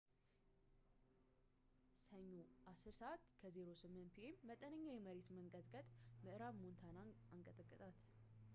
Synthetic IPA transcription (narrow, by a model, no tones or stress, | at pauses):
səɲːoʔasɨɾsəʔat̪ːkʰəze̞ɾo̞sɨmːɨnt̪pʰiʔemːət̪ʼənəɲːajɛməɾet̪məŋkʼəd̪kʼət̪ʼmɨʔɨɾaβmont̪ʰana | aŋkʼət̪ʼəkʼːɨt̪ʼat̪